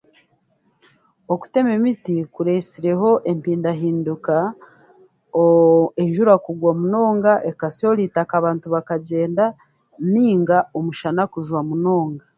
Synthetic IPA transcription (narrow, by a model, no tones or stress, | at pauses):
oku̥te̞me̞mitikuɾesiɾe̞ɦo̞ʔe̞mpiːndaɦiːnduka | eɲʒuɾakuɡwamuno̞ːŋɡaʔekasioɾiːtakaβaːntuβakaɟe̞ːnda | niːŋɡaomuʃanakuʒwamuno̞ːŋɡa